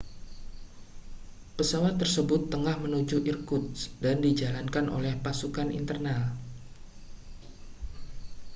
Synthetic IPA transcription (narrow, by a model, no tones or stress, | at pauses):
pəsawat̪ːərsəbʊt̪ːəŋahmənud͡ʒuʔirkʊt̪sdandid͡ʒalankanʔo̰lɛhpasukanʔḭnt̪ərnal